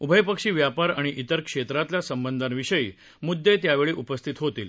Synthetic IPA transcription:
ubʱəjpəkʂiːʋjapaɾaɽ̃iʔit̪əɾkʂet̪ɾat̪lasəmbənd̪ʱanʋiɕəḭː | mud̪ːet̪jaʋeɭiːʔupəst̪ʰit̪ɦot̪iːl

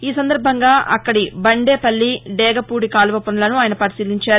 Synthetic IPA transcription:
iːsɐnd̪ɐɾbʱɐŋɡaːʔɐkːɐɽibɐɳɖeːpɐlːiɖɛːɡɐpuːɽikaːlʋɐpɐnɐlɐnuaːjnɐpɐɾisiːliɲt͡ʃaːɾu

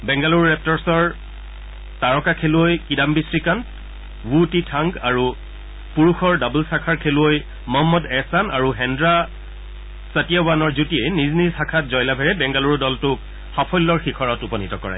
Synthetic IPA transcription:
bɛŋɡaluɹɹɛp̚tɔɹsɔɹ | taɹɔkakʰeluojkidambisɹikant | wutitʰaŋɡaɹu | puɹuxɔɹdabulsakʰaɹkʰeluoj | mɔɦɔmːɔdɛsanaɹuɦɛndɹa | satijaanɔɹzutiejniznizsakʰat̚zɔjlabʱɛɹɛbɛŋɡaluɹdɔltʊk | xapʰɔjlːɔɹxikʰɔɹɔtupɔnitɔkɔɹa̰j

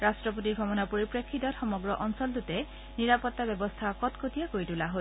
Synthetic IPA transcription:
ɹastɹɔpot̬iɹɡʱɔmɔnapoɹipɹekʰːitɔtxɔmɔɡɹɔʔɔnsɔldutɛ | niɹapɔtːabɛbɔstʰakɔtkʰotijakojtulaɦo

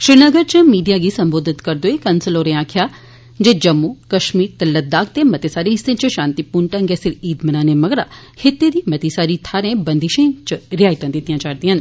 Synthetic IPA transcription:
ʃɾɪɾnəɡəɾt͡ʃəmiːɖijaːɡiːsəmboːd̪ɪt̪kəɾd̪oːeːkənsəloːɾẽːaːkʰjaː | d͡ʒeːd͡ʒəmːoːkəʃmiːɾt̪eləd̪aːk̚t̪eːmət̪eːsaːɾiːɦɪsːẽːt͡ʃəʃãːnt̪iːpuːɳʈə̃ŋɡesɪɾiːd̪mənaːneːməɡɾa̰ː | hɪt̪ːeːd̪iːmət̪iːsaːɾiːt̪ʰaːɾẽːbənd̪ɪʃẽːt͡ʃɾɪjaːɪt̪ãːd̪ɪt̪ːijãːt͡ʃaːɾd̪iːɦən

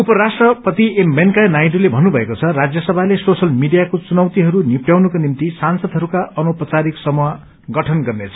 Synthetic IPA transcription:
upʌɾasʈrʌpʌt̪iemːenkanajʈulebʱʌnːubʱʌekot͡sʰʌrad͡zjʌsʌbʱalesosʌlmiɖijakot͡sunʌwt̪iɦʌɾunipjawnʌkonimt̪isansʌd̪ʱɦʌɾukaʔʌnopʌt͡saɾiksʌmua | ɡʌʈʰʌnɡʌrnet͡sʰʌ̥

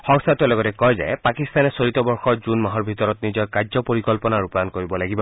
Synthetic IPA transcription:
xɔŋsatualɔɡɔtɛkɔjzɛ̰pakist̪anɛsoɹit̪ɔbɔɹxɔɹzunmaɦɔɹbʱit̪ɔɹɔt̪nizɔjkazɔpoɹikɔlpɔnaɹupankoɹibɔlaɡibɔ

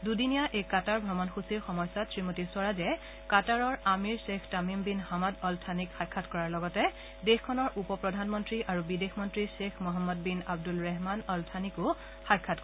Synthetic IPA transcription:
dudinijaʔekataɹbʱɔmɔnxusiɹxɔmɔjsatʰɹimotiswaɹazɛ | kataɹɔɹamiɹsexʰtamimbinhamɔdɔltʰanikxajkʰːatkɔɹaɹlɔɡɔtɛ | dexkʰɔnɔɹʔupɔpɹɔdʱanmɔntɹiʔaɹubidexmɔntɹisexʰmɔɦamːɔd̚binab̚dulɹɛɦmanɔltʰanikʊ | xajkʰːatk

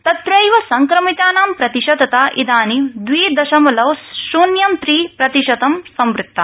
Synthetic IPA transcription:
t̪ɐt̪ɾɐjʋɐsɐŋkɾɐmit̪aːnaːmpɾɐt̪iʃɐd̪ʱɐt̪aːʔid̪aːnid̪ʋiːd̪ɐʃɐmɐlɐʋsʃuːnjɐmt̪ɾiːpɾɐt̪iʃɐt̪ɐmsɐmʋɾɪk̚t̪ːɐ

